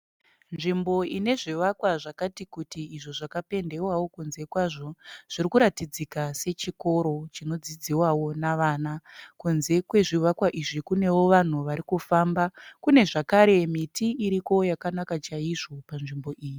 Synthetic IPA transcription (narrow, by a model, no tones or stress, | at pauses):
nʐimbo̞ine̞ʐiʋakwaʐakatikutiːʐoʐakape̞nde̞wawo̞kunze̞kwaʐo̞ʐ̥irikuɾatid͡zikase̞t͡ʃiko̞ɾo̞t͡ʃino̞d͡zid͡ziwawo̞naʋaːnakunze̞kwe̞ʐiʋakwaʔiʐikune̞wo̞ʋan̤uʋaɾikufambakune̞ʐakaɾe̞mitʰiiɾiko̞jakanakat͡ʃaiʐo̞panʐimbo̞ʔiːji